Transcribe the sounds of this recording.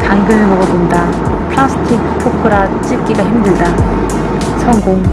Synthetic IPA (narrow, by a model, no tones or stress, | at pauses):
kaŋɡɯnɯɭmʌɡʌbonda | pʰɭasʰɯ̥tʰikʰpʰokʰɯɾat͡ɕ͈ik͈iɡaçimdɯɭda | sʰʌŋɡoŋ